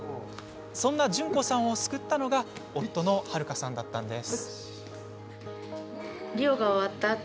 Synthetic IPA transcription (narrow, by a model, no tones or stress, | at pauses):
sõ̞nːaʑɨ̃ŋko̞sãɰ̃o̞sɨ̥kɯ̟t̪ːano̞ɡao̞t̪ːo̞no̞haɾɯ̟kasãnd̪at̪ːãnd̪e̞sɨ | ɾʲioɡao̞βat̪ːa